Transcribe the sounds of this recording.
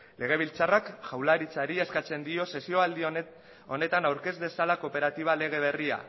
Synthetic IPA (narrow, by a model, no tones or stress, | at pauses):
le̞ɣ̞e̞β̞ilt͡sarakʝawlaɾit͡saɾieskat͡se̞nd̪io̞se̞sio̞ald̪i | o̞ne̞t̪anawɾke̞zd̪e̞salako̞pe̞ɾat̪iβ̞ale̞ɣ̞e̞β̞e̞ria̰